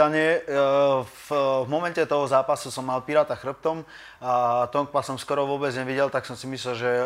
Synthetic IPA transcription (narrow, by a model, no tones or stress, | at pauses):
aɲɪɛ | vmɔmɛncɛt̪ɔɦɔzaːpasusɔmːalpiɾaːt̪axr̩p̚t̪ɔm | at̪ɔŋkpasɔmskɔɾɔʋʊɔːbɛd͡zɲɛʋiɟɛlt̪aksɔmsimisʎɛlʒɛ